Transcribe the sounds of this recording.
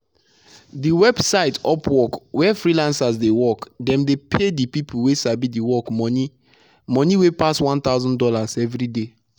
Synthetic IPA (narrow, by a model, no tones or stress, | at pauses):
diwɛbsaɪtɔpʰwɔkwɛfɹilãnsasdewɔkdɛ̃mdepʰedipipuwesabidiwɔkmɔni | mɔ̃niwepaswãnt̪aʊzɔ̃ndɔlasɛvɹide